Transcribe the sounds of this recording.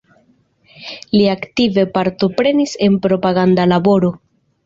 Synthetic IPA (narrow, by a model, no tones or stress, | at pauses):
liaktive̞paɾto̞pɾe̞nise̞npɾo̞paɡandalabo̞ɾo̞